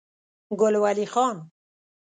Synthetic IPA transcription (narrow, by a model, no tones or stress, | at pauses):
ɡolwalixɔːn